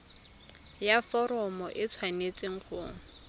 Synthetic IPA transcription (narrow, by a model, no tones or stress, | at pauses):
jafɔɾɔmɔʔɪt͡sʰwanet͡sʼɪŋ̩χʰʊːŋ̩